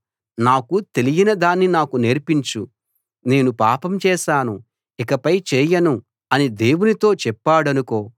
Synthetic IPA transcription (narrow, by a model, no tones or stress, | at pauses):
naːkut̪e̞lijinɐd̪aːnːinaːkuneːɾpiɲt͡ʃu | ne̞ːnupaːpɐmt͡ʃɛːʃaːnu | ikɐpɐjt͡ʃɛːjɐnu | ɐnid̪e̞ːwunit̪o̞ːt͡ʃɛpːaːɽɐnuko̞ː